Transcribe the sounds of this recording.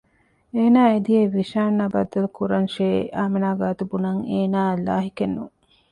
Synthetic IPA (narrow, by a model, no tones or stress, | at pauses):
eːnaːed̪ieʋiʃaːnːɐbɐ̰d̪ːɐlukuɾɐnʃeːaːmenaːɡaːt̪ubunɐŋeːnaːlaːɦikenːṵ